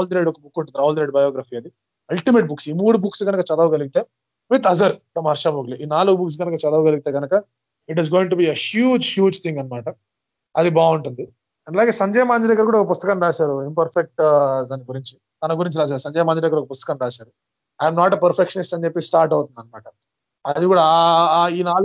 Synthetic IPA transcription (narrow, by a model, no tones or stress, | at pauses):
ald̪ɾeɖɔkɐbukːuɳʈũːnd̪iɾaːʋuld̪ɾeɖbɐjoːɡɾaːfiːɐd̪i | ɐlʈimeːʈ̚buksiːmuːɽubuksluɡɐnɐkɐt͡ʃɐd̪ɐʋɡɐliɡit̪e̞ː | ʋit̪ɐzɐɾfɾɐmɐɾʂaːbɐɡliʔiːnaːluɡubuks̬ɡɐnɐkɐt͡ʃɐd̪ɐʋɡɐliɡit̪e̞ːɡɐnɐkɐ | iʈ̬izɡoːiŋʈubiːehjuːd͡ʒhjuːd͡ʒt̪ʰĩŋɡɐnːɐmaːʈɐ | ɐd̪ibaːuɳʈund̪i | ɐɳɖɐlaːɡe̞ːsɐɲd͡ʒɐjɐmaːnd͡ʒɐɾɛːɡɐɾkuːɽaːɔkɐp̬ust̪ɐkanɾaːsaːɾuinpɐɾfek̚ʈd̪aːniɡuɾiɲt͡ʃi | t̪ɐnɐɡuɾiɲt͡ʃiɾaːs̬aːɾusɐɲd͡ʒɛjɐmaːnd͡ʒɐɾɛːɡɐɾɔkɐpust̪ɐkɐnɾaːsaːɾu | ɐjmnaːʈɐpɐɾpʰekʂɐnisʈɐɲt͡ʃepːisʈaːɾʈɐwt̪und̪iɐnːɐmaːʈɐ | ɐd̪ikuːɽaiːnaː